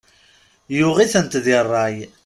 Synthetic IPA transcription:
jʊʁiθənt̪ðirˤːɑj

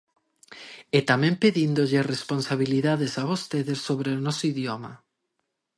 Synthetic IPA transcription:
et̪amẽmpeðind̪oʎeresponsaβiliðaðesaβost̪eðesːoβɾeonɔsoiðjoma̰

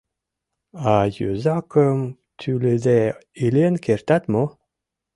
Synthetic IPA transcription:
ajø̰zakəm | t̪ʰylezɛilenkeɾt̪at̪mo

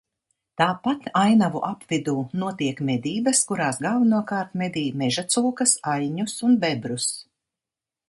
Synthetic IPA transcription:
t̪aːpat̪ajnavuʔapvid̪uːnuɔt̪iɛkmʲɛd̪iːbɐskuɾaːsɡalˠvanuɔkaːɾt̪mɛd̪iːmɛʒat̪suːkɐsajɲusunbɛbɾus

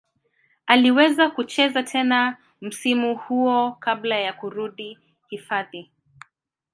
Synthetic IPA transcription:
aliwɛzakut͡ʃɛzatʰɛna | m̩simuhuɔkablajakuɾuɗi | hifaði

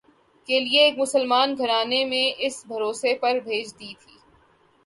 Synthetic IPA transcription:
kelieeːkmʊsəlmaːnɡʱɐɾaːnemẽʔɪsbʱɐɾoːsepɐɾbʱeːd͡ʒd̪it̪ʰiː

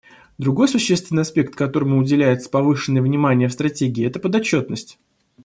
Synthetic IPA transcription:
d̪ɾʊɡo̞jsʊɕːest̪vʲɪnɨjɐspʲe̞k̚t̪kɐt̪o̞ɾəmʊʊdʲɪlʲæjɪt̪sə̥pɐvɨʂɨnːəjvnʲɪmanʲɪjəfst̪ɾɐtʲeɡʲɪːɛt̪əpəd̪ɐt͡ɕːo̞t̪̚nəsʲtʲ

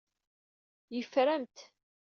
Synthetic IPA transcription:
jəfɾæmt̪

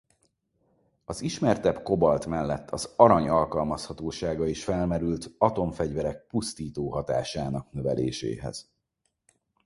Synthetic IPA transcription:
ɒziʃmɛrt̪ɛbko̞bɒlt̪mɛlːɛt̪ʰːɒzɒɾɒɲɒlkɒlmɒshɒt̪oːʃaːɡɒiʃfɛlmɛɾylt̪ɒt̪o̞ɱfɛɟvɛɾɛk̚pust̪iːt̪oːɦɒt̪a̰ːʃaːnɒknø̞vɛlḛːʃḛːɦɛ̰z̥

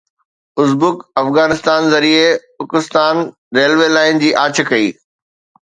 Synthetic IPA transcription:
ʊsbʊkɐfɣaːnɪst̪aːnzɐɾie | ʊkɪst̪aːn | ɾeːlʋelaːɪn̆d͡ʑiːʔaːt͡ɕʰə̆kɐḭː

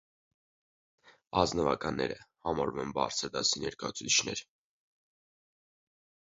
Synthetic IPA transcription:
ɑznəvɑkɑnːɛɾəhɑmɑɾumɛnbɑ̰ɾt͡sʰəɾd̪ɑsinɛɾkɑjut͡sʰut͡sʰit͡ʃʰnɛɾ

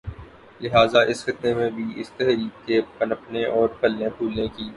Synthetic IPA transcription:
lɪɦaːzaʔɪsxɪt̪ːemẽbʱiʔɪ̰st̪ɛɦɾiːk̚kepɐnəpnẽʔɔːɾpʰɐlːẽpʰuːlẽkiː

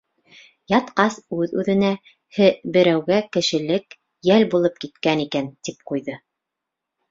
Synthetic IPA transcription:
jɑt̪qɑsʉðʉðɘ̆næ | hɘbɘ̆ɾæwɡækɘ̆ʃɘ̆lɘk | jælbulˠɤp̚kit̪kænikænt̪ip̚qujðɤ

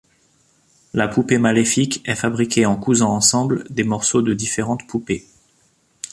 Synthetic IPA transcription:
lapupemalefikɛfabʁikʲeɑ̃kuzɑ̃ːsɑ̃bld̪emɔʁsod̪əd̪ifeʁɑ̃t̪pʰupe

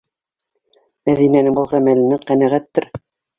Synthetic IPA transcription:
mæðinænɘŋbɤ̆lˠʁæmælɘ̆nɘqænæʁæt̪ːɘɾ

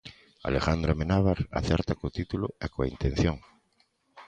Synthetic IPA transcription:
a̰lexand̪ɾamenaβaɾa̰θɛɾt̪akot̪it̪uloekoaint̪en̟θjoŋ

